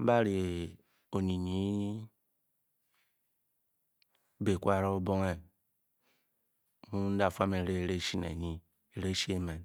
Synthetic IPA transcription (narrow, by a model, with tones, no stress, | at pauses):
m̩˦ba˦ɾi˨ | o˨ni˨ɲi˨˦ | be˨kʷa˦˨ɾo˦o˦bo˦ŋe˦ | mu˦n̩˦da˨fa˦me˨ɾe˦˨ɾe˦ʃi˦nḛ˨ɲi˦ | e˨ɾe˦ʃi˦e˦me˨n